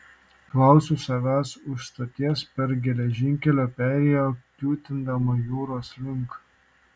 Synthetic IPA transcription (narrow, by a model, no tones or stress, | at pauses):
klˠɐˑʊsʲuːsɐʋʲæːsʊʃst̪ot̪ʲiɛspʲɛɾɡʲɛlʲɛʒʲɪŋʲkʲɛlʲoːpʲæːɾʲɛjoːkʲlʲuːt̪ʲɪnd̪ɐmoːjuːɾoːslʲɪŋk